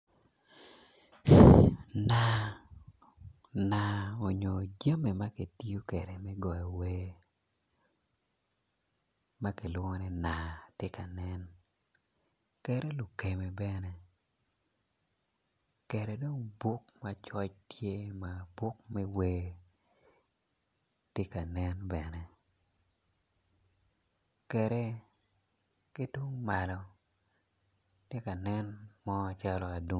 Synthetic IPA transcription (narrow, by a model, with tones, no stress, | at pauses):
na˨ | na˨o˨ɲo˨d͡ʒa˦me˨ma˦ke˨ti˦o˦kɛ˨ɾɛ˨mɛ˦ɡɔ˨jɔ˨we˦ | ma˦ke˨lʊ˦ɔ˦nɛ˦na˨te˦ka˨nɛ˦n | kɛ˦ɾɛ˦lʊ˨ke˨me˨bɛ˦nɛ˦ | kɛ˨ɾe˨do˦ŋbu˦kma˨t͡ʃɔ˦t͡ʃtʰje˦ma˨bu˦k̚mɛ˦weː˨ | tje˦ka˨nɛ˦nbɛ˨nɛ˦ | kɛ˨ɾe˦ | ki˦tu˦ŋma˨lɔ˨ | tje˦ka˨nɛ˦nmɔ˦a˨t͡ʃa˦lɔ˨a˨du˦